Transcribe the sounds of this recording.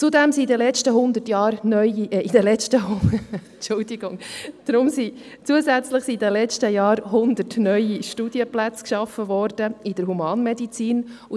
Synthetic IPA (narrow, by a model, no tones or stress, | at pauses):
t͡sud̪ɛmsidɛlɛt͡ʃtəɦʊnd̪ətjɑːɾnœʏiid̥əlɛt͡ʃtəhʊ | t͡ʃʊldiɡʊŋd̥ɾʊmsi | t͡suəzæt͡sləχsidɛlɛt͡ʃtəjɑːɾhʊnd̪ətnœʏiʃtud̥iəplæt͡skʃɑfəvɔɾd̥əid̥əɾɦumɑːnmɛdit͡siːnu